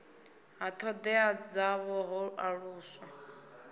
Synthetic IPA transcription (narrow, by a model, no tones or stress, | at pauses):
ɦat̪ʰɔd̪ɛad͡zaβɔɦɔʔaɺuːsa